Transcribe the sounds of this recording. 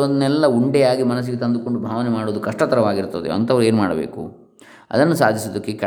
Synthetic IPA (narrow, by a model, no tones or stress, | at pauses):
od̪nɛlːɐuɳɖɛaːɡimɐnɐs̬iɡet̪ɐnd̪uko̞ɳɖubʱaːʋɐnemaːɽoːd̪ukɐʂʈɐt̪ɐɾɐʋaːɡiɾt̪ɐd̪eɐ̰nt̪ɐʋɐɾeːnumaːɽɐbḛːkṵ | ɐ̰d̪ɐnːusa̰ːd̪ʱisod̪ɐkːekɐ